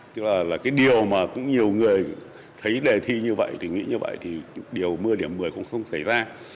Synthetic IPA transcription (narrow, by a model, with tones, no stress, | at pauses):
t̪ɨ˦˥k̚laː˨˩laː˨˩kaː˨˦jɗi˨˩əwmaː˨˩kʊ̰˧˥ŋ͡mɲi˨˩əwŋɨ˨˩əj | t̪ʰə˨˦jɗe˨˩t̪ʰi˧ɲɨ˧və̰˧˨jt̪ʰi˨˩ŋḭ˧˥ɲɨ˧və̰˧˨jt̪ʰi˨˩ɗi˨˩əwmɨ˧əɗi˧˩əmːɨ˨˩əjkɔ˧˥nsə˧wŋ͡msa˧˩jzaː˧